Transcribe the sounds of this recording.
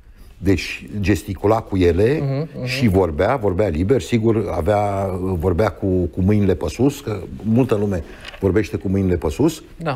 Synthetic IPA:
d̪e̞t͡ʃʲd͡ʒe̞st̪ikulakuje̞le̞ʃivo̞rbeavo̞rbealiberʲsiɡura̰veavo̞rbeakukumɨjnile̞pəsuskəmult̪əlume̞ | vo̞rbe̞ʃt̪e̞kumɨjnle̞pəsus | a

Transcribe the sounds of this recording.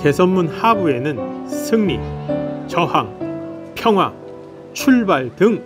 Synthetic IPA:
ke̞sʰʌnmunhabue̞nɯnsʰɯŋmit͡ɕʌhaŋpʰjʌŋɦwa | t͡ɕʰuɭbaɭdɯŋ

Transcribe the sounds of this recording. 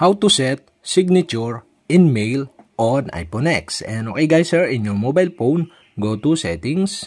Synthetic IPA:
hawt̪usɛt̪̚ | sɪɡ̚nat͡ʃuɹ | ʔɪnmejl | ʔona̰jponɛksɛnokejɡajsɛɹɪ̃njɔɹmobajlpown | ɡot̪usɛt̪ɪŋs

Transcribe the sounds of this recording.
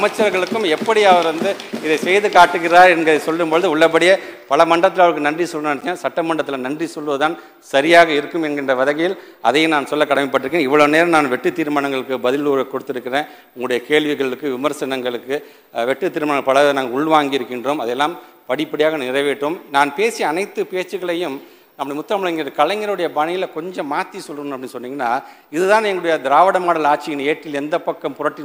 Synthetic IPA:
ɐmɐt͡ʃːɐɾɣɐɭɯkːɯmɛpːɐɽɪɐʋɐɾʋɐnd̪ɯɪðɐɪsɛjðɯkaːʈːɯɣɪɾaːɾɛnɡɐðɐɪsɔlːɯmbɔɭðɯʊɭːɐp̬ːɐɽɪjɐpɐlɐmɐɳɖɐt̪ːɪlɐʋɐɾɯkːɯnɐndrisɔlːnːɳt̪ːãːsɐʈːɐmɐɳɖɐt̪ːɪlɐnɐndrisɔlːɯʋɐðɯt̪aːn | sɐɾɪjaːɣɐɪɾɯkːɯmɛnɡɪndrɐʋɐðɐɣɐjɪl | ɐ̰ðɐjɯnaːnsɔlːɐkːɐɽɐmɐɪp̬ːɐʈːɪɾɯkːnẽːɪʋːɐɭɐneːɾɐmnaːnʋɛʈːɯt̪ːiːɾɯmaɳɐŋɡɐɭɯkːɯbɐðɪluːɾɐkːɔɽɯt̪ːɪɾɯkːɪrẽː | ʊŋɡɐɭʊɽɐjɐkeːɭʋɪɣɐɭɯkːɯʋɪmɐɾsɐnɐŋɡɐɭɯkːɯ | ʋɛʈːɯt̪ːiːɾɯmanɐŋɡɐɭpɐɭɐnaːŋɡɐʊɭʋaːŋɡɪjɪɾɯkːɪndroːmɐðɛlːaːm | pɐɽɪpːɐɽɪjaːɣɐnɪɾɐɪʋeʈːɯmnaːnpeːsiɐnɐɪt̪ːɯpeːt͡ʃːɯɣɐɭɐjɯm | nɐmːɐɽɐɐmʊt̪ːɾɐmɐɭɐŋɡɪɐðɯkɐlɐŋɡɪɾɐɯɽɐjɐbanɪjɪlkɔɲd͡ʒɐ̃maːt̪ːisɔlːɣɯɐnɐpːɐɽinːsɔnːiːŋɡɐnːaː | ɪðɯðãːnɛŋɡɐɭʊɽɐjɐd̪ɪɾaːʋɐɽɐmaːɽɐlaːʈ̚t͡ʃːɪɪneːʈrɪlɛnd̪ɐpːɐkːɐmpʊɾɐʈːɪ

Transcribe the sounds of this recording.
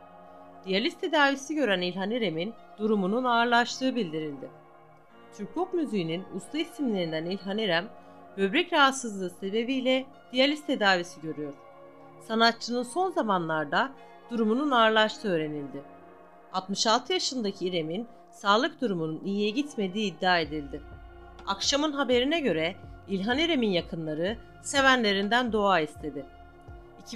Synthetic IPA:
d̪̥ijalʲist̪ʰe̞d̪aːvisiɟø̞ɾænilʲɦaniɾemin | d̪̥uɾumununaːɾlˠaʃt̪ˠɯːɯbilʲd̪iɾilʲd̪ɪ | t͡ʃʰyɾkʰokmyzijininust̪ʰˠaisimlʲe̞ɾind̪ænilʲɦaniɾæm | bø̞bɾɛcɾaɦat̪sɯzlˠɯːse̞be̞bijlʲɛ | d̪̥ijalʲist̪ʰe̞d̪aːvisiɟø̞ɾyjo̞ɾ̥ | sanat̪̚t͡ʃʰːɯnɯnso̞nzamanlˠaɾd̪a | d̪̥uɾumununaɾlˠaʃt̪ʰɯø̞ːɾe̞nilʲd̪ɪ | alˠt̪mɯʃalˠt̪ʰɯjaʃɯnd̪acʰiɾe̞min | saːlˠɯk̚d̪uɾumununijijɛɟit̪me̞d̪iːd̪ːaːe̞d̪ilʲd̪ɪ | akʃamɯnɦabe̞ɾinɛɟø̞ɾɛilʲɦaniɾe̞minjakʰɯnlˠaɾɯ | se̞vænlʲe̞ɾind̪ænd̪o̞aːist̪ʰe̞d̪ɪ | icʰ

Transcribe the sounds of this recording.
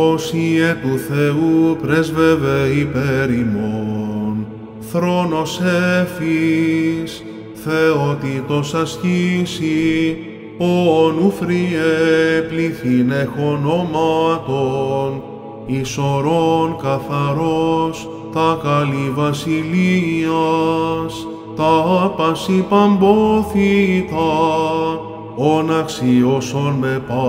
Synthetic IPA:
osiet̪uθe̞upɾezveveipeɾimon | θɾo̞no̞sefi | s | θeot̪it̪o̞sɐscisi | oonufɾiepliθine̞xo̞no̞mɐt̪on | iso̞ɾonkɐθɐɾo̞s | t̪ɐkɐlivɐsiliɐs | t̪ɐɐpɐsipɐmboθit̪ɐ | onɐksio̞sonmepɐ

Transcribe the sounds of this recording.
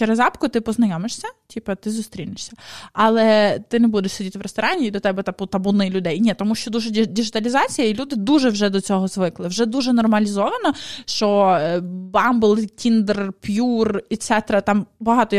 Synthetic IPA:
t͡ʃɛɾezɑpkʊt̪ɪpɔznɐjɔmeʃsʲɐtʲipɐt̪ɪzʊst̪ɾʲilnɪʃsʲɐɐlˠɛt̪ɪnɛbud̪ɛʃʲsɔdʲit̪ɪʋɾest̪ɔɾɑnʲiːd̪ɔt̪ɛbɛt̪ɑpʊt̪ɐbʊnɪjlʲʊd̪ɛjnʲɛt̪ɔmuʃt͡ʃɔd̪uʒɛdʲiʒɪt̪ɐlʲizɑt͡sʲijɐilʲud̪ɪd̪uʒɛwʒɛd̪ɔt͡sʲɔɦɔzʋɪklˠɪwʒɛd̪uʒɛnɔrmɐlʲizɔʋɐnɔʃt͡ʃɔ | bɑmbʊlˠkʲind̪rpʲjurɛt̪sɛt̪ɾɐt̪ɑmbɐɦɑt̪ɔ

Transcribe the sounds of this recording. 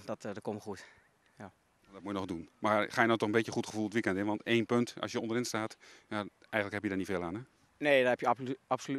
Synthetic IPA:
dɔtdəkoməxut | ja | adɔt̚mujənɔχdunmaxaːjənɔwtɔxənbetjəxutχəvulˠətʋikɛntɪnʋɑnteːnpøntɑ̰sjəondərɪnstaːtja | ʔɛjxəŋ̩tləkhɛpjədarnifeːlˠaːnɛ | neːdɔnɛpjəaps

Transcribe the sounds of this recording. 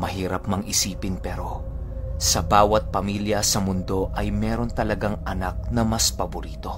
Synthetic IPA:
mɐɦiːɾɐpmɐŋʔɪsiːpɪnpɛːɾo̞ | sɐbaːwɐt̪̚pɐmiljɐsɐmʊnd̪o̞ʔɐjmɛːɾo̞nt̪ɐlɐɡaŋʔɐnak̚nɐmɐspɐbʊɾiːt̪o̞

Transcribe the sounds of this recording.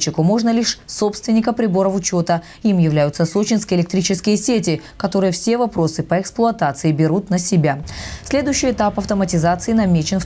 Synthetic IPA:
t͡ɕːɪkʊmo̞ʐnəlʲiʂso̞pst̪vʲɪnʲːɪkəpɾʲɪbo̞ɾəfʊt͡ɕo̞t̪ə | imjɪvlʲæjʊt̪səsot͡ɕɪnskʲɪjɪlʲɪkt̪ɾʲit͡ɕɪskʲɪjəsʲetʲɪkɐt̪o̞ɾɨjəfsʲe̞vɐpɾo̞sɨpəɛksplˠʊɐt̪at̪sɨɪbʲɪɾut̪nəsʲɪbʲasʲlʲe̞d̪ʊjʉɕːɪjɛt̪apɐft̪əmətʲɪzat̪sɨɪnɐmʲet͡ɕɪnf

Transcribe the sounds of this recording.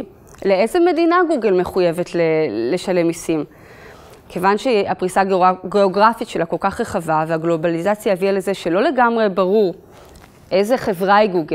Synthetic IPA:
le̞ezeme̞dinaɡuɡelme̞χuje̞ve̞tlele̞ʃale̞misim | kʰevanʃeapʁisaɡeoɡʁafitʃe̞lako̞lkaχʁeχavaveaɡlo̞balizat͡sjaheviale̞zeʃe̞lo̞le̞ɡamʁe̞baʁuʁ | ʔe̞ze̞χe̞vʁaiɡuɡe

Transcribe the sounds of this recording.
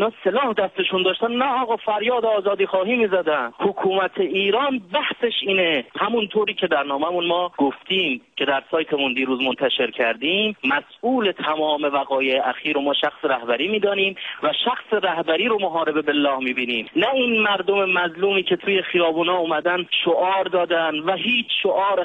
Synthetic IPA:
nɒːselɒːhd̪æst̪eʃund̪ɒːʃt̪ænnæɒːɣɒːfæɾjɒːd̪eɒːzɒːd̪iːxɒːɦiːmːiːzæd̪ænhokʰuːmæt̪ʰe̞iːɾɒːnbæhse̞ʃiːnehæmunt̪ʰoːɾiːcʰe̞d̪æɾnɒːmæmunmɒːɡ̥oft̪iːmcʰe̞d̪æɾsɒːjt̪ʰemund̪iːɾuːzmont̪ʰæʃe̞ɾcʰæɾd̪iːmːæsuːle̞t̪ʰæmɒːme̞væɣɒːjeeʔæxiːɾomɒːʃæxseɾæhbæɾiːmiːd̪ɒːniːmvæʃæxseɾæhbæɾiːɾomoɦɒːɾe̞be̞belːɒːhmiːbiːniːmnæiːnmæɾd̪omemæzluːmiːcʰet̪ʰuːje̞xijɒːbuːnɒːumæd̪ænʃoʔɒːɾd̪ɒːd̪ænvæɦiːt͡ʃʃoʔɒːɾ

